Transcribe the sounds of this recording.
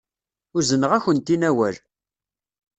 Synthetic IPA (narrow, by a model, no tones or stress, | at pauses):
ʊɾzənəʁæçənt̪inæwæl